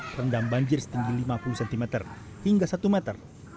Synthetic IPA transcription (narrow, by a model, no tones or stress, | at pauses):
rəndambaɲd͡ʒɪrsə̥t̪iŋɡilimapulusɛnt̪imɛt̪ər | hiŋɡasat̪umɛt̪ər